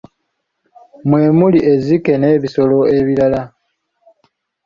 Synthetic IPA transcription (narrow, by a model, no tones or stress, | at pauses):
mwe̞ːmuliʔe̞zike̞ne̞βiso̞lo̞e̞βilala